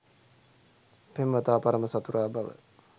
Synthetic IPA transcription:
pemʋət̪aːpaɾəməsat̪uɾʔaːbaʋə̰

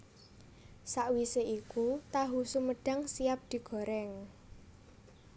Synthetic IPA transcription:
saʔwiseʔikut̪aɦusuməɖ̥a̤ŋsijap̚d̪̥i̤ɡ̥ɔ̤ɾɛŋ

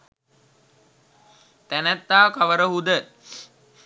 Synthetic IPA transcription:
t̪ænæt̪ːaːkaʋəɾəɦud̪ə

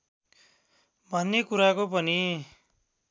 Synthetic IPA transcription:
bʱʌnːekuɾakopʌni

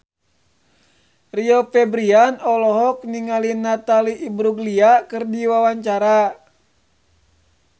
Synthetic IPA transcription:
riɔpɛbɾianɔlɔɦɔk̚niŋalinːat̪aliʔːbɾuɡliakɨrdiwawaɲt͡ʃaɾa

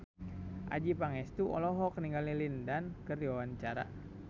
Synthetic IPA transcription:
ʔa̰d͡ʒipaŋɛst̪uɔlɔɦɔkniŋɡalilindankərdiwawant͡ʃaɾa̰

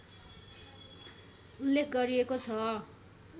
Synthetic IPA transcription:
ulːekʰɡʌɾiekot͡sʰʌ

